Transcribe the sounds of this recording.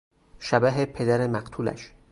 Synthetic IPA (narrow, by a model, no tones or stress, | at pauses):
ʃæbæɦepʰe̞d̪æɾemæɢt̪ʰuːlæ̰ʃ